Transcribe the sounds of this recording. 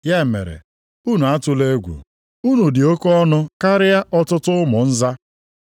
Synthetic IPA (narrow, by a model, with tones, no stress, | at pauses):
ja˦˨mḛ˨ɾḛ˨ | u˦nu˨a˦tʊ˦le˦ɡʷṵ˨ | u˦nu˨dɪ˨o˦kɔ˦nʊ˦ka˦ɾɪ˦ja˦ɔ˦tʊ˦tʊ˦mʊ˨n̩˦za˦